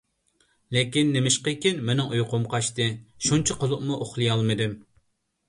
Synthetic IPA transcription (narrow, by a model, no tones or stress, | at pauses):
lekʲinːemɪʃqəkʲinmenɪŋujqʊmqʰɑʃt̪ɨʃunt͡ʃʰɑqəlˠʊqmuʔoχlˠɨjɑlˠmɨd̪ɪm